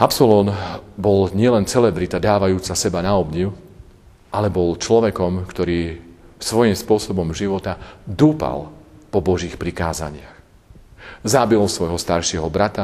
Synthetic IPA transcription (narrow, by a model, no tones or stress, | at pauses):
apsɔlɔnbɔlɲɪɛlɛnt͡sɛlɛbɾit̪ad̪aːʋajuːt͡sasɛbanaɔbɲiʊ | ʔalɛbɔlt͡ʃlɔʋɛkɔmkt̪ɔɾiːsʋɔjimspʊɔsɔbɔmʒiʋɔt̪ad̪uːpa̰lpɔbɔʒiːxpɾikaːza̰ɲɪax | zabilsʋɔjɦɔst̪aɾʃɪɛɦɔbɾat̪a